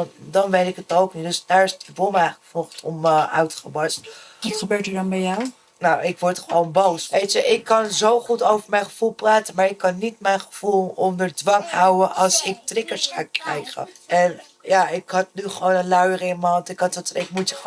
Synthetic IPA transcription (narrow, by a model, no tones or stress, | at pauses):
ndɔnʋejtɪkətowknidɵsd̥aːɹɪsətəvulˠmɛjχχəfɔχtʰɔmʔœɥtə̥χəbɑstʋɑtχəbøːtəɹdɑnbɛjaw | nowʔɪkʋɔɹtχəʋownbowsʋejtəʔɪkːɑnzowχutowvəɹmɛjnχəv̥ulˠpraːtəmaːɹɪkːɑnːitmɛjnχəv̥ulˠɔndəɹdʋɑŋhɑwəʔɑlˠsɪk̚trɪkəɹsχa̰ːkrɛ̰jχə̰ʔɛn | jaɪkɦɑt̚nyχəʋownənlœɥərəɪnməɦɑntɪkɦɑtətɪk̚mutə